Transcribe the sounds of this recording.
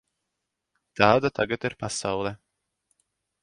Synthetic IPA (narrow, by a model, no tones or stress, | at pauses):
t̪ɑːd̪at̪ʰaɡat̪iɾpasawlˠɛ